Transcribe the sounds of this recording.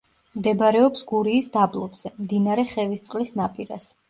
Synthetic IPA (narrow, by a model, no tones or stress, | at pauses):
md̪ɛbɾɛɔpsɡuɾiːsd̪ablˠɔbz̥ɛmd̪inaɾɛχɛvist̪sʼqʼlisnapʼiɾa̰s